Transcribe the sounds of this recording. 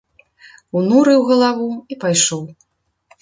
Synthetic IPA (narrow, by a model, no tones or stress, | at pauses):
unuɾɨwɣɐlˠavuipajʂɔw